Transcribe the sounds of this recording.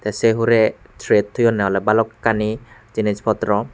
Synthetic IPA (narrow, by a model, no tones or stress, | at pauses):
t̪ɛseɦuɾɛ | tʰɹet̚tʰujɔnɛɔlɛbalɔkkːanizinizpʰɔt̪ɾɔ